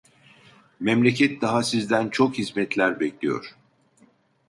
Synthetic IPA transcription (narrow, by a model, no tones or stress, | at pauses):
mɛmlʲecʰɛt̪̚d̪aɦasizd̪ænt͡ʃʰo̞khizmɛt̪ʰlʲæɾbɛclʲijo̞̰ɾ̥